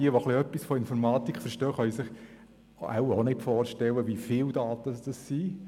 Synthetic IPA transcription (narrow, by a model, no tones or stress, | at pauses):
iəʋoχliœpːisfɔɪnfɔɾmɑːt̪ikʰχfəɾʃtœːχœʏisɪχ | a̰wonɪtfɔːɾʃtɛlːəʋifɪld̥̪ɑːt̪əsd̥ɑssiː